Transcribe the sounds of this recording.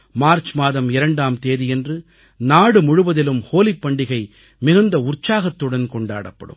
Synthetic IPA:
maːɾt͡ʃmaːðɐmɪɾɐɳɖaːmt̪eːðijɛndrɯ | naːɽɯmʊɻʊʋɐðɪlɯmhoːlɪpːɐɳɖɪɣɐɪ | mɪɣɐnd̪ɐʊrt͡ʃːaːɣɐt̪ːɯɽɐnkɔɳɖa̰ːɽɐpːɐ̰ɽɯ̰m

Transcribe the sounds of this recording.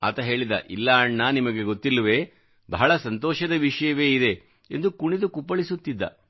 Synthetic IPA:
a̰ːt̪ɐɦe̞ːɭid̪ɐ̰ʔilːaɐɳːaːnimɐɡe̞ɡo̞t̪ːilːɐʋe̞ː | bʱɐɦɐɭɐsɐnt̪ɔːʃɐd̪ɐʋiʂɐjɐʋe̞ːid̪e̞ | end̪ukuɳid̪ukupːɐɭisut̪ːid̪ːɐ̰

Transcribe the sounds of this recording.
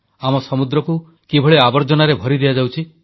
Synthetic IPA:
amɔsɔmud̪ɾɔku | kibʱɔɭeabɔɾd͡ʒɔnaɾebʱɔɾid̪ijad͡ʒawt͡ʃʰi

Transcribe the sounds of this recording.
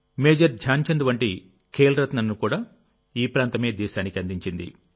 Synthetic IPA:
meːd͡ʒɐɾd͡ʒʱjaːɲt͡ʃɐnd̪uʋɐɳʈi | kʰeːlɾɐt̪nɐnːukuːɽaː | iːpɾaːnt̪ɐme̞ːd̪iːʃaːnikiɐnd̪iɲt͡ʃind̪ḭ

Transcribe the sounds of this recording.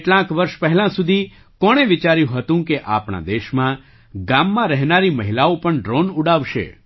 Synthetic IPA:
ʈlãkʋəɾʃpɛɦɛlãsud̪ʱi | kɔɽ̃eʋɪt͡ʃaɾjũɦət̪ũkeʔa̰pɳa̰d̪eʃmã | ɡamːãɾɛɦnaɾiməɦilaopəɳɖɾonuɽaʋʃḛ

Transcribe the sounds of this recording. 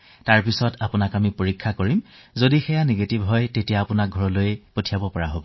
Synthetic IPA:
taɹpisɔtapʊnakamipoɹikʰːakoɹimzodixɛjaneɡetibɦɔjtetijaːpʊnak̚ɡʱɔɹɔlojɛpotʰijabɔpɔɹaɦobɔ

